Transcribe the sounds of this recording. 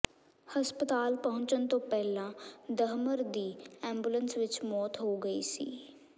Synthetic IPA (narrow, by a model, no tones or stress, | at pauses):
həspət̪aːlpəɦʊ̃ɲt͡ʃənt̪õːpɛːlãːd̪əɦməɾd̪iːɛːmbulənsʋɪt͡ʃmɔːt̪ɦoːɡəḭːsḭː